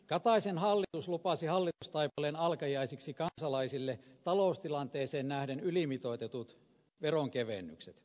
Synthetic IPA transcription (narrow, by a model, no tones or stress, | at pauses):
kɑt̪ɑisenhɑlːit̪uslupɑsihɑlːit̪ust̪ɑipɑlenɑlkɑjɑisiksikɑnsɑlɑisilːet̪ɑloˑust̪ilɑnt̪eːseːnnæhdenylimit̪oˑit̪et̪ut̪ | ʋeroŋkeʋenːy̰kset̪